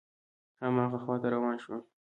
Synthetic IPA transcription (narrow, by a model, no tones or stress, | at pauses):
hamɑːɣaxwɑt̪aɾawɑnʃwa